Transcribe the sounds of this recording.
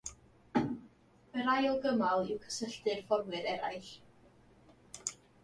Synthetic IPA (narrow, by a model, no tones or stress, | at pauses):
bəɾajɔlˠɡəmalˠɪwkʰə̥səɬdɨrfɔrwɨɾɛɾajɬ